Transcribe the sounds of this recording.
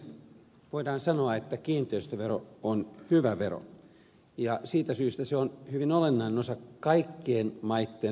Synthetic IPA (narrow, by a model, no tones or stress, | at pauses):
ʋoidɑːnsɑnoɑet̪ːækiːnt̪eist̪øʋeroonhyʋæʋero̰ | jɑsiːt̪æsyːst̪æseonhyʋinolenːɑinenosɑkɑikːeːnmɑit̪ːeː